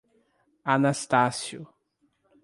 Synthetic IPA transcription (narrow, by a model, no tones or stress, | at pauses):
anast̪asjʊ